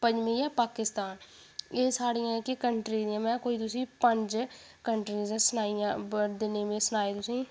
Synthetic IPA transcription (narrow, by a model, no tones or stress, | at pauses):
pəɲd͡ʒʋĩːjãːpaːkɪst̪aːn | eːsaːɽiːãːkɪkəɳʈɾiːniːãːmɛ̃ːkoːiːt̪ʊsĩːpəɲd͡ʒ | kəɳʈɾiːzãːsənaːijãːd̪ɪneːmẽːsənaːeːt̪ʊsĩː